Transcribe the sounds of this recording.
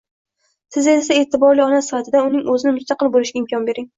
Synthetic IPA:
sʰɪzesae̞ːt̪ʰɪbɒɾlɪɒnasɪfat̪ʰɪd̪aʊnɪŋɵzɪnɪmʊst̪ɑqɨlˠbolɪʃɡʲaɪmkʲʰɒnbe̞ɾɪŋ

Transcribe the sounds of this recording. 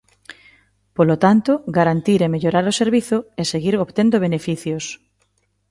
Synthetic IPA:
polot̪ant̪oɡaɾant̪iɾemeʎoɾaɾoseɾβiθoeseɣiɾoβt̪end̪oβ̞enefiθjos

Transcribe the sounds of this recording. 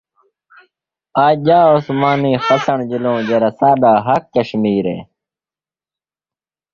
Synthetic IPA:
aːd͡ʑaːosmaːniːxɐsɐɳd͡ʑilõːd͡ʑɐɾɐsaːd̪aːɦɐkkɐɕmiːɾḛː

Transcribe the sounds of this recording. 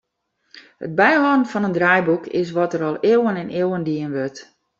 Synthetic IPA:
hə̰d̚bɛjɦɔdn̩fɔnəndrajbukʰɪ̰s̬ʋɔtəɾɔlˠewənɛnewəndiənʋørt

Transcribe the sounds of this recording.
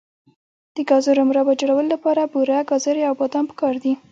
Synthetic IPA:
d̪̥əɡɑzoɾomɾabad͡ʒaɽawəlolapɑɾabuɾaɡɑzəɾeawbɑd̪ɑnpə̥kɑɾd̪i

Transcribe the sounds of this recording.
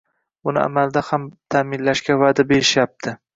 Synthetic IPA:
ʊnɪ̰a̰mald̪ahamt̪ʰamɪnlaʃkʲavad̪abeɾɪʃjap̚t̪ʰɪ

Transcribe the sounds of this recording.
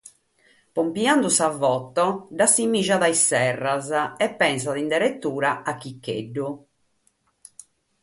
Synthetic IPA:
pompiand̪usavɔt̪ːɔɖasimːiʒaðajsɛrːazɛpːɛns̬aðind̪ɛɾet̪ːuːɾaʔak̟ːikːḛɖːu

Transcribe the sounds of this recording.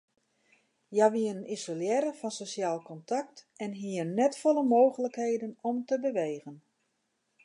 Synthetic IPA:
jaʋiənənizoljɛɾəfɔnsosjaːlˠkɔntʰak̚tɛnɦiərnɛtfoləmoːɣələkheːdənɔmtəbəʋeːɣən

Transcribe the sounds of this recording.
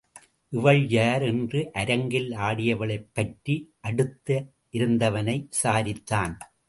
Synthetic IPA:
ʔɪʋɐɭjaːɾɛndrɯʔɐɾɐŋɡɪlaːɽɪjɐʋɐɭɐɪpːɐʈriʔɐɽɯt̪ːɐ | ʔɪɾɯnd̪ɐʋɐnɐɪsaːɾɪt̪ːaːn

